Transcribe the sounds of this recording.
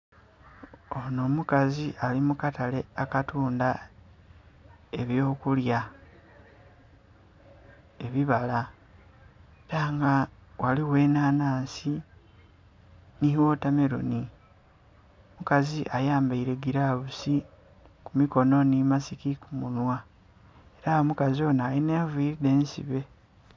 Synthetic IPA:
ono̞mukaziʔalimukatale̞akatuːnda | e̞βjo̞ːkulja | e̞βiβala | taːŋɡawʔaliwe̞ːnaːnaːnsi | nihiwo̞tame̞ɾo̰ni | mukaziʔajaːmbaiɾe̞ɡiɾaβusi | kumiko̞no̞nimasikikumunwa | e̞ɾaomukazio̞ːnajineːvuiɾide̞ːnsḭβe̞

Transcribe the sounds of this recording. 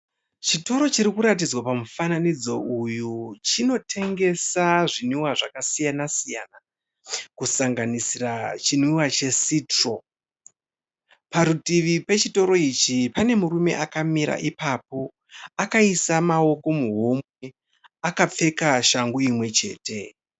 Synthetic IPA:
t͡ʃito̞ɾo̞t͡ʃiɾikuɾat̬id͡zwapamufananid͡zo̞ʔujut͡ʃino̞tʰe̞ŋɡe̞saʐiniwaʐakasijanasijana | kusaŋɡanisirat͡ʃiniwat͡ʃe̞siːtro̞ | paɾutiʋipe̞t͡ʃito̞ɾo̞it͡ʃipane̞muɾume̞̰ʔakamiɾa̰ʔipapo̞ | akaisamao̞ko̞muɦo̞mwe | akap͡fe̞kaʃaŋɡuimwe̞t͡ʃe̞̰ːte̞

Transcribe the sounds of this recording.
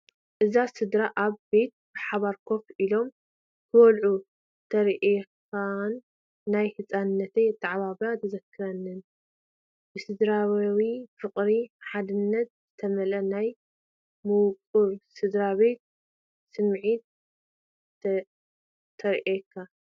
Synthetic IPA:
ʔɨzasɨd̪ɾaʔaβbe̞t̪̚bɨħaβaɾkʰo̞filo̞m | kʰɨwɔlʕu | t̪ʰɐɾʔekʰ | anː | ajhɨt͡sʼanɨnːɐt̪ʰeɨt̪ʰːɨʕβaβɾat̪ʰɨzɐkʰːɨɾɐnːɨn | bɨsɨd̪ɾawifɨqʼɾiħad̪ɨnːɐt̪̚z̥ɨt̪ʰɐmɐlɐnaj | mɨwkʼuɾsɨd̪ɾabe̞t̪̚ | sɨmʕit̪̚ | t̪ʰɐɾʔekʰːa

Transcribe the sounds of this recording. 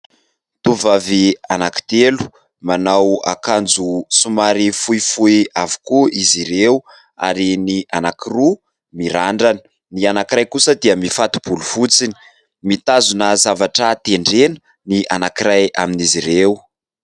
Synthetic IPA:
t̪uvavianaki̥t̪elu̥ | manawa̰kand͡zusumaɾifuifuiavu̥kuʔiziɾew | a̰ɾiniʔanakiru | miɾaɳɖ͡ʐani̥ | nianakirajkusəd̪iaəmifat̪u̥b̥ulufut͡sini̥ | mit̪azunəzavaʈ͡ʂat̪eɳɖ͡ʐenə̥ | niʔa̰nakiɾaja̰miniziɾew

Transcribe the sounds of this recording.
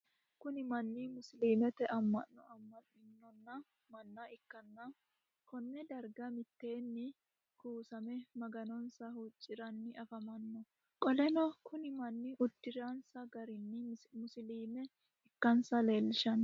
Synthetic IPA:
kʊnɪmɐnːɪmʊsɪliːmɛt̪ɛʔɐmːɐ̰nːɔɐmːɐnːɪnːɔnːɐ | mɐnːɐɪkːɐnːɐ | kɔnːɛd̪ɐɾɡɐmɪt̪ːe̞ːnːɪ | kuːsɐmɛmɐɡɐnɔnsɐhut͡ʃʼːɪɾɐnːɪɐfɐmɐnːɔ | kʼɔlɛnɔkʰʊnɪmɐnːɪʔʊd̪ːɪɾansɐɡɐɾɪnːɪmʊsɪliːmɛ | ɪkːɐnsɐle̞ːlːɪʃɐn

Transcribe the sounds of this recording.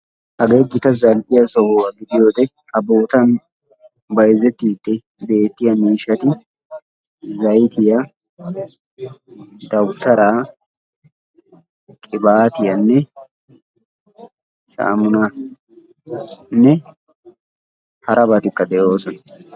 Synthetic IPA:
hɐɡeːɡɪt̪ɐzɐlʔɪjɐsɔwowɐɡɪd̪ɪjo̞ːd̪ɛ | hɐboːt̪ɐn | bɐjzɛt̪ːiːd̪ːɛ | be̞ːt̪ːɪjɐmiːʃɐt̪ɪ | zɐjt̪ɪjɐ | d̪̥ɐwt̪ɐɾaː | kʼɪbaːt̪ɪjɐnːɛ | sa̰ːmʊnɐ | nːɛ | hɐɾʔɐbɐt̪ɪkːɐd̪ɛʔoːsɔn

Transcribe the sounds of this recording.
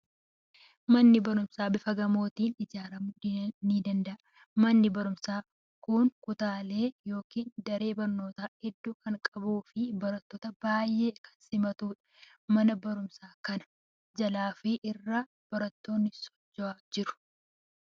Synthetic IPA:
mɐnːɪbɐɾʊmsaːbɪfɐɡɐmo̞ːt̪iːnɪd͡ʒaːɾɐmniːd̪ɐnd̪ɐʔɐ | mɐnːɪbɐɾʊmsaː | kʊŋkʊt̪aːle̞ːjo̞ːkiːnd̪ɐɾe̞ːbɐɾno̞ːt̪aːhɛd̪ːuːkɐŋkʼɐbuːfɪbɐɾɐt̪ːoːt̪ɐbaːjːeːkʰɐ̥nsɪmɐt̪uːᶑɐ̥ | mɐnɐbɐɾʊmsaːkɐnɐ̥ | d͡ʒɐlaːfɪʔɪrːɐ | b̥ɐɾɐt̪ːo̞ːnːɪsɔ̥d͡ʒːɔaːd͡ʒɪɾʊ̥

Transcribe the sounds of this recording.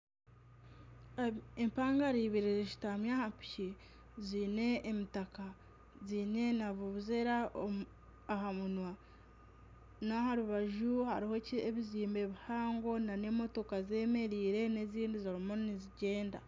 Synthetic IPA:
empaːŋɡaɾiβiɾeziʃi̥tamjahampi̥ce | ziːne̞ːmitaka | ziːne̞naβuβuzeɾaː | ɦamunwa | nahaɾuβaʒuha̰ɾiho̞ceβiziːmbe̞βihaːŋɡo̞nane̞mo̞to̞kaze̞me̞ɾiːɾe̞ne̞ziːndizaɾimoniziɟe̞ːnda̰

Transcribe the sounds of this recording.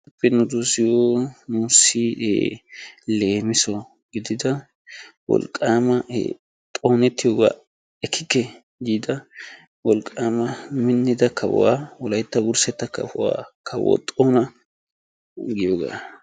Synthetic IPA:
ɐpːɛnʊd̪osɪjonuːsːɪe | le̞ːmɪsɔ | ɡɪd̪ɪd̪ɐ | wɔ̰lkʼːaːmɐʔ | t̪ʼoːnɛt̪ːɪjoːɡa̰ː | ɛkʰːɪkːɛ | d̪iːd̪ɐ | wɔlkʼːaːmɐmɪnːɪd̪ɐkʰɐw̰waːwɔlɐjt̪ːɐwʊɾsɛt̪ːɐkːɐ̰fʊwa̰ːkʰɐwɔ̰t̪ʼoːnɐ | ɡɪjoːɡa̰ː

